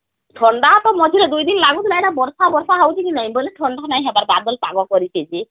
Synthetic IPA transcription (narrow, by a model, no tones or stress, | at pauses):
ʈʰɔɳɖat̪ɔmɔd͡ʒʱiled̪ujd̪inlaɡut̪ilajnabɔɾsabɔɾsaɦawt͡ʃʰikinaɦĩbɔleʈʰɔɳɖanaɦĩɦɛbaɾbad̪ɔlpa̰ɡɔkɔɾipʰed͡ʒi